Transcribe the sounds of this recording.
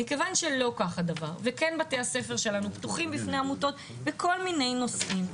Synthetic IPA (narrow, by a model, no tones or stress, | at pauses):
ike̞vanʃelo̞kaχadava̰ʁvekenbatehase̞fe̞ʁʃe̞lanuptuχimbifneamuto̞t̚ | bekʰo̞lmine̞jno̞sim